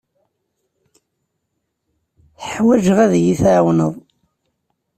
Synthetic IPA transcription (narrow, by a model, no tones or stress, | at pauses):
θəħwæʒəʁæðjiθʕwnəðˤ